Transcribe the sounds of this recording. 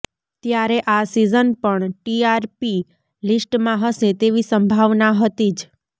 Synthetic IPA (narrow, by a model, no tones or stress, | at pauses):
t̪jaɾeʔasizənpəɳʈiaɾpi | lisʈmãɦəʃet̪eʋisəmbʱaʋnaɦət̪id͡ʒ